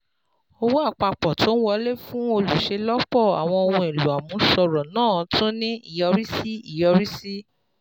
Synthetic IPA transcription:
o˧wo˦a˦˨k͡pa˧˨k͡pɔ˨tʰo˨˦wɔ˧˦le˦fũ˦o˧lu˨ʃe˨˧lɔ˦k͡pɔ˦˨a˨w̃ɔ̃˧o˧wũ˧e˨lu˨a˨mũ˨˧˦ʃɔ˧ɾɔ˨nãː˦˨tʰũ˦nĩ˦i˦˨jɔ˧ɾi˦si˦i˦˨jɔ˧ɾi˦si˦

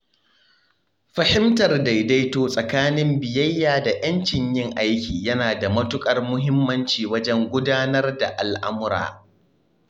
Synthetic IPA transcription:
ɸɐ˨hɪ˦mtɐ˨rda˨jda˦jtoː˦sʼɐ˨kaː˦nɪ˦mbɪ˨jɐ˦jːaː˨da˨jɐ˦nt͡ʃɪ˨ɲjɪ˦ŋʔa˦jkʲiː˨jɐ˦naː˨da˨mɐ˦tʊ˦kʼɐ˨rmʊ˦ɦɪ˦mːɐ˦nt͡ʃiː˨wɐ˦d͡ʒɛ˦ŋɡʷʊ˦daː˦nɐ˦rda˨ʔa˨lʔa˦mʊ˦ɾa̰ː˨

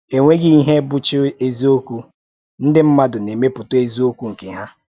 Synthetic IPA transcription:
e˨ŋʷe˦ɡɪ˦i˦ɦe˦bʊ˦t͡ʃɪ˦e˦zi˦o˦ku˦ | n̩˦dɪ˦m̩˦ma˦dʊ˨ne˨me˦pʊ˨tʊ˦e˦zi˦o˦kʷu˦ŋ̩˨ke˨ɦa˦

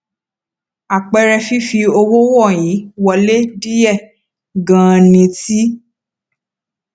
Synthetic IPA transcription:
a˨k͡pɛ˧ɾɛ˧fi˦fi˧o˧wo˦wɔ˦˨jĩ˨˦wɔ˧le˦di˦jɛ˦˨ | ɡã˨nĩ˧ti˦

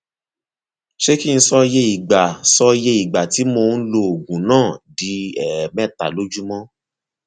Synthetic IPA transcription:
ʃe˦ki˦n̩˧˦sɔ˧je˧i˨ɡ͡ba˨sɔ˧je˧i˨ɡ͡ba˨ti˨˦mo˧n̩˦lo˧˦o˨ɡũ˨nãː˦˨di˨˦ɛ˨mɛ̃˦˨ta̰˨lo˦d͡ʒu˦mɔ̃˦

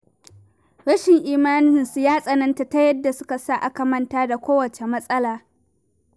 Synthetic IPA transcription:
ɽɐ˦ʃɪ˨ŋʔiː˨maː˦nɪ˦nsu˨jaː˦sʼɐ˨nɐ˦nta˨ta˦jɐ˦dːa˨sʊ˦ka˨sa˦ʔa˦kɐ˨mɐ˦ntaː˦da˨kʷoː˦wɐ˨t͡ʃe˨mɐ˦sʼɐ˦laː˨

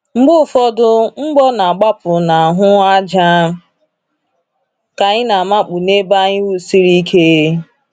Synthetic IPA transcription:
ŋ͡m̩˦ɡ͡bʊ˦˨fɔ˦dʊ˦ŋ͡m̩˦ɡ͡bɔ˦na˨a˨ɡ͡ba˦pʊ˨na˨a˨ɦʊ˦a˦d͡ʒa˦ | ka˨ɲɪ˦na˨ma˦k͡pu˨ne˦ba˦ɲɪ˦wu˨si˦ɾi˦kʰe˦

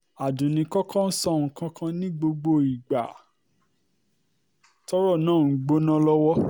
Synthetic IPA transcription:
a˨dũ˨nĩ˧kɔ˦kʰã˦n̩˦sɔ˦˨ŋ̩˨kã˧˦kã˧nĩ˦ɡ͡bo˧ɡ͡bo˧i˨ɡ͡ba˨ | tɔ˦ɾɔ˦˨nãː˦˨˦ɡ͡bo˦nã˦lɔ˦wɔ˦

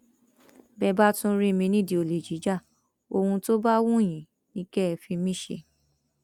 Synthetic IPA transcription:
bɛ˧ba˦tũ˦ɾi˦mĩ˧nĩ˦˨di˨o˨le˨d͡ʒi˨˦d͡ʒa˦˨ | o˧hũ˧to˦ba˦wũ˦˨j̃ĩ˨ | nĩ˧˦kɛ˦˧fi˧mĩ˦ʃḛ˧

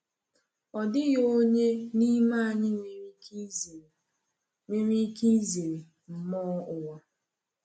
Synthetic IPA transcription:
ɔ˨dɪ˦ɣo˦ɲe˦ni˦ma˦a˨ɲɪ˦ŋe˨ɾi˦˨ | ŋʷe˦ɾi˦ki˦ze˨ɾe˨ | m̩˦mɔ˦ʊ˨wa˨

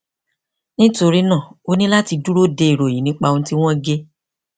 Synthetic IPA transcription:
nĩ˦to˧ɾi˦nã˦˨o˦nĩ˦la˦ti˧du˦ɾo˦de˧i˨ɾo˨jĩ˨nĩ˨˦k͡pa˧õ˧˦ti˦w̃ɔ̃˦ɡe˦

